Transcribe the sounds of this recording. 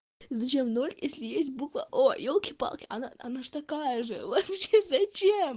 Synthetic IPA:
zɐt͡ɕemnolʲjesʲlʲɪjesʲt̚ʲbukvə̰ʔojolˠkʲɪpɑ̰lˠkʲɪɐ̰naɐ̰naʐɨt̪ɐkajəʐɨ̰vɐpɕezɐt͡ɕem

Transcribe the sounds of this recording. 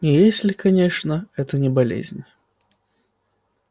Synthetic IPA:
ɪjesʲlʲɪkɐnʲe̞ʂnəɛt̪ənʲɪbɐlʲḛzʲnʲ

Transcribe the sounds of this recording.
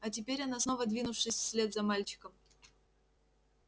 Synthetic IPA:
ɐt̬ʲɪpʲeɾʲanasno̞vəd̪vʲinʊfʂɨsʲsʲlʲe̞t̪zɐmalʲt͡ɕɪ̥kəm

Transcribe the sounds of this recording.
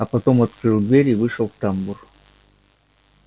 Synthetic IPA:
apɐt̪omɐt̪̚kɾɨlˠd̪vʲeɾʲivɨʂolˠft̪ambur

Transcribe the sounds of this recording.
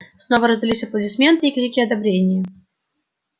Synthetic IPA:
snovəɾəzdʲɪlʲisʲɐplˠədʲɪsmʲe̞nt̪ɨikɾʲikʲɪɐd̪ɐbɾʲenʲɪjə

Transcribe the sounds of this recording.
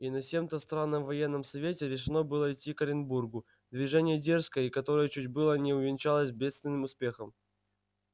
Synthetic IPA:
inɐsʲe̞mt̪əst̪ɾanːəmvɐjenːəmsɐvʲetʲɪɾʲɪʂɨno̞bɨlˠəitʲːikəɾʲɪnburɡʊ | d̪vʲɪʐɛnʲɪjədʲerskəjəikɐt̪o̞ɾəjət͡ɕudʲbɨlˠənʲɪʊvʲɪnt͡ɕalˠəsʲbʲe̞t̪st̪vʲɪnːɨmʊspʲe̞xəm

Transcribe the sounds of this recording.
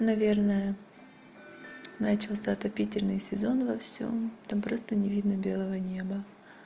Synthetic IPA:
nɐvʲe̞rnəjə | nat͡ɕɪlˠsʲəɐt̪ɐpʲitʲɪlʲnɨjsʲɪzo̞nvɐfsʲo̞̰mt̪ampɾo̞st̪ənʲɪvʲid̪nəbʲe̞lˠəvənʲe̞bə

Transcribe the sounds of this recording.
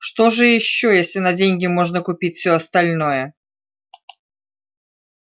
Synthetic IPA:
ʂt̪oʐɨjɪɕːojesʲlʲɪnɐdʲenʲɡʲɪmo̞ʐnəkʊpʲitʲfsʲoɐst̪ɐlʲno̞jə

